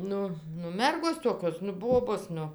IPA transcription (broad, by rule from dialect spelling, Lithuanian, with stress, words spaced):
ˈnʊ nʊ ˈmʲɛrɡoːs ˈtoːkʲoːs nʊ ˈboːboːs ˈnʊ